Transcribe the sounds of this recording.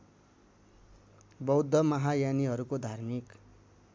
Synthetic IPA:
bʌwd̪ʱʌmʌɦajaniɦʌɾukod̪ʱarmik

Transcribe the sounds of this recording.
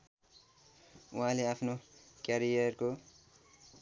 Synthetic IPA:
uɦãleapʰnokjaɾijʌrko

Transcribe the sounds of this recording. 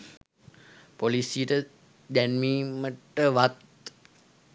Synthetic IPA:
polisijəʈə | d̪ænmiːməʈəʋat̪

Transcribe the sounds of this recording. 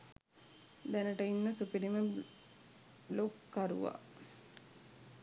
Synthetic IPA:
d̪ænəʈəinːəsupiɾimə | lokːaɾṵʋa̰

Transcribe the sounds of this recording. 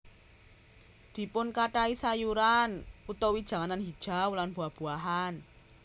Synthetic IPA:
d̪̥i̤pʊnkaʈaisajuɾanut̪owid̥ʒ̥ä̤ŋananɦid̥ʒ̥a̤wlanb̥ṳahb̥ṳaɦan

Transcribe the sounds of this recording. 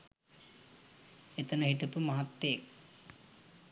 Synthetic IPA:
et̪ənəɦiʈəpəmɐɦat̪ːeːk

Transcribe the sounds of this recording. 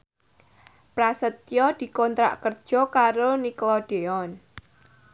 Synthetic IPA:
pɾasət̪jɔd̪̥i̤kɔnt̪ɾa̰ʔkərd̥ʒ̥ɔ̤kaɾoniklɔɖ̥eɔn

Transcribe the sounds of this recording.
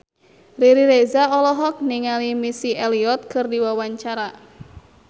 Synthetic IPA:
riɾiɾezaɔlɔɦɔk̚niŋalimisieliɔt̪̚kʰɨrdiwawaɲt͡ʃaɾa

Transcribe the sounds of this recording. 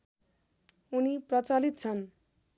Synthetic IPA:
uniprʌt͡salit̪̚t͡sʰʌn

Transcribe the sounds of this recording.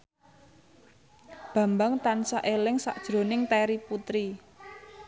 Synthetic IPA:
b̥ä̤mbaŋt̪ansaʔelɪŋsa̰ʔd̥ʒ̥ɾo̤nɪŋt̪ɛɾiput̪ɾi

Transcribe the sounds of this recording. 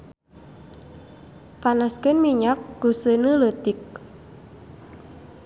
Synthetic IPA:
panaskənmiɲak̚ɡ̥ṳsənələt̪ɪk̚

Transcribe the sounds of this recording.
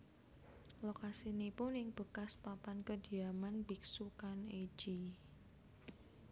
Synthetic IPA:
lokasinipʊnɪŋb̥ə̤kaspapankəd̥i̤amanbiksukane̥d͡ʒ̥i

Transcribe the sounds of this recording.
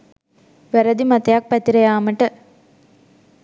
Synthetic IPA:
ʋæɾɐd̪imɐt̪ɐjak̚pæt̪iɾɐjaːməʈə

